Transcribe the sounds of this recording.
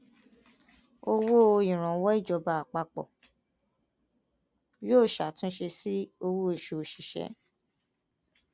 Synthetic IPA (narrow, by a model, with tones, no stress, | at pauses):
o˧wo˦o˧ĩ˨ɾ̃ã˨˦wɔ˦i˦˨d͡ʒɔ˧˦ba˧a˨k͡pa˧k͡pɔ̰˨ | joː˦˨ʃa˨tũ˦ʃe˧si˦o˧wo˦e˨ʃo˧˨o˨ʃi˨ʃɛ̰˨˦